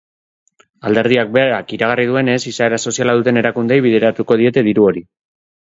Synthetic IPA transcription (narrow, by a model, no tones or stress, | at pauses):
ald̪e̞ɾðiak̚be̞aɾakiɾaɣarið̞ue̞ne̞sisae̞ɾaso̞sialaðut̪e̞ne̞ɾakund̪e̞jβ̞iðe̞ɾat̪uko̞ð̞ie̞t̪e̞ðiɾuo̞ɾi